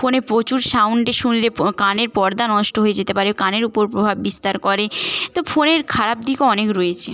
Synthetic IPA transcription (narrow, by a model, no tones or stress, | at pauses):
fonepɾot͡ɕuɾʃawɳʈeʃunlekaneɾpɔɾd̪anɔʃʈoɦojed͡ʑet̪epaɾekaneɾupoɾpɾobʱabbist̪aɾkɔɾet̪ofoneɾkʰaɾab̚d̪ikeɔnekɾoet͡ɕʰe